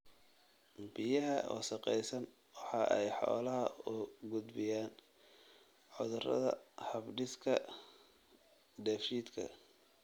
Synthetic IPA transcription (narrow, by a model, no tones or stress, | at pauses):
bɪjɐɦɐʔɔ̰ːʃɐqɛjsɐn | wɑħɑːʔɛjħɔ̰ːlɐɦɐʊɡʊd̪bɪjaːn | ʕʊðʊrɐ̰ðɐ̰hɐbɖɪskʰɐ | d̪ɛːfʃiːd̪kʰɐ̰